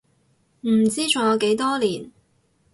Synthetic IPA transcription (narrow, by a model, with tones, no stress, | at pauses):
m̩˨˩t͡siː˥t͡ʃʰʊ˨˩ŋjɔː˨˧ke˨˥jt̪ɔː˥liː˨˩n